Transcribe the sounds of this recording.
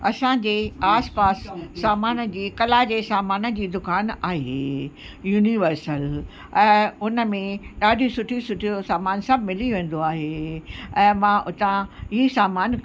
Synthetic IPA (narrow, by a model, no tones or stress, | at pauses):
ɐsãd͡ʑeːaːspaːsːaːmaːnə̆d͡ʑiːkɐlaːd͡ʑeːsaːmaːnə̆d͡ʑiːd̪ʊkaːnaːɦeː | juːniʋəɾsəl | ɛ̃ːʊnə̆mẽɗaːɖʱisʊʈʰisʊʈʰijoosaːmaːnsɐbʱmɪliʋẽːn̆d̪oaːɦeːɛ̃ːmãʔʊt̪ãiːsaːmaːn